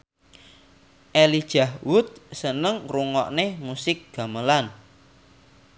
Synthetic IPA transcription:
ʔelid̥ʒ̥a̤hwʊt̪̚sənəŋruŋɔ̰ʔnemusɪk̚ɡ̥a̤məlan

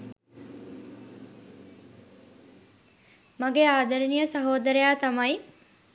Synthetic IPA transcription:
maɡeaːd̪əɾinijəsɐɦoːd̪əɾejaːt̪amaj

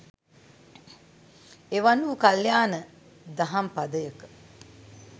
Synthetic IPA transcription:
eʋanuːkaljaːnə | d̪aɦampad̪əjəkə̥

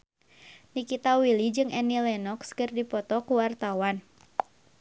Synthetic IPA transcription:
nikit̪awilid͡ʒɨŋʔɛnilɛnɔkskɨrdipɔt̪ɔkuwart̪awan

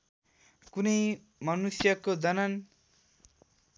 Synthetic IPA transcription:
kunʌj | mʌnusjʌkod̪ʌnʌn

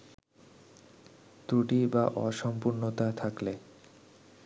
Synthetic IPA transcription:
t̪ɾuʈibaʔɔʃɔmpuɾnot̪at̪ʰakle

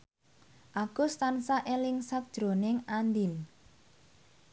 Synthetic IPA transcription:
ʔaɡ̥ʊ̤st̪ansaʔelɪŋsak̚d̥ʒ̥ɾonɪŋand̪in

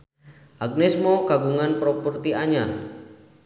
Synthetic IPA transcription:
ʔaɡ̚nɛsmɔkaɡuŋanpɾɔpurt̪iaɲal

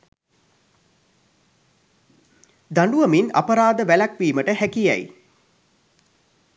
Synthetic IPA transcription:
d̪aɳɖuʋəmina̰pəɾaːd̪əʋælakʋiːməʈəɦækijɛ̰j

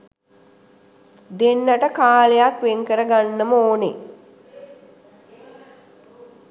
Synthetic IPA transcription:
d̪enːəʈəkaːlejakʋeŋkəɾəɡanːəməoːne

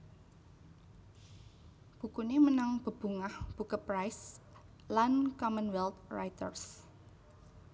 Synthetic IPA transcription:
b̥ṳkunemənaŋb̥ə̤b̥ṳŋahb̥ukəpɾajs | lankɔmənwɛlt̪rajt̪ə̰rs

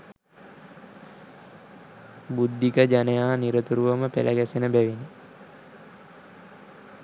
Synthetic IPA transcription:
bud̪ːikəd͡ʒanəjaːniɾət̪uɾuʋəməpḛlʔə̰ɡæsenəbæʋini

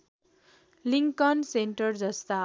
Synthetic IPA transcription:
liŋkʌnseɳʈʌrd͡zʌst̪a

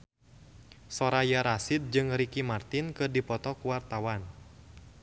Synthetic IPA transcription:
sɔɾajaɾasit̪̚d͡ʒɨŋɾikimart̪inkɨrdipɔt̪ɔkuwart̪awan

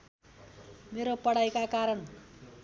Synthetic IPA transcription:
meɾopʌɽ̤ajkakaɾʌɳ

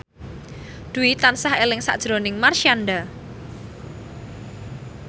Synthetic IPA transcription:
d̪̥ṳit̪ansahelɪŋsa̰ʔd̥ʒ̥ɾonɪŋmarʃianɖa

